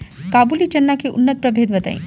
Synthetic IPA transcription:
kaːbuːlit͡ʃɐnːakiʔʊnːət̪̚pɾɐbʱeːd̪bɐt̪a̰ːḭ̃ː

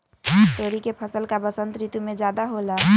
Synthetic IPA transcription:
ʈoɾikepʰəsəlkabəsənt̪ɾit̪umed͡ʒad̪aɦola

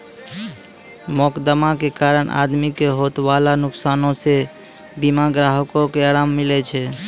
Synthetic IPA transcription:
mokd̪əmakekaɾəɳʔa̰d̪mikeɦot̪balanuksanõse | bimaɡɾaɦəkokeaɾamːilɛt͡ʃʰɛ

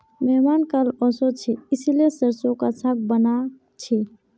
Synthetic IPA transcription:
mɛɦmankalɔsot͡ʃʰiisilesəɾsokasʰak̚bəna | t͡ʃʰi

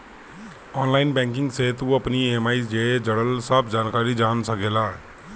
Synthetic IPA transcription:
ɔːnlaːɪnbɛ̃ːŋk̬ɪ̃ŋɡseːt̪uɐpnieːmaːisd͡ʒeːd͡ʒəɽəlsəbd͡ʒaːnkaːɾid͡ʒaːnsəkeːlaː

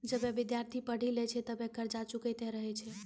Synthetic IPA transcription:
d͡ʒəbeʋid̪jaɾt̪ʰipəɽ̤ilɛt͡ʃʰɛt̪əbekəɾd͡ʒat͡ʃukɛt̪ɛɾəɦɛt͡ʃʰɛ

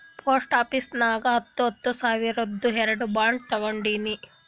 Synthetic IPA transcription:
pʰoːsʈaːpisnaːɡɐɐt̪ːuɐt̪ːusaːʋiɾod̪ːuɦeɾɐɖubaːɳɖ̚t̪ɐɡɐɳɖiːni

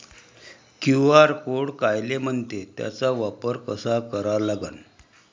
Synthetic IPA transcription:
kjuaɾkoɽkajlem̤əɳt̪et̪ja̰t͡saʋapəɾkəsakəɾalaɡa̰n

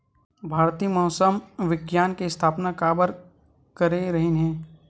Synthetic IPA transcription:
bʱaːɾt̪iːmɔːsəmʋɪɡjaːnkest̪ʰaːpnakaːbəɾ | kəɾeɾɐɦinɦɛ̃ː

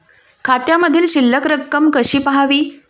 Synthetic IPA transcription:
kʰat̪jaməd̪ʱiːlɕilːəkɾəkːəmkəɕiːpəɦaʋiː

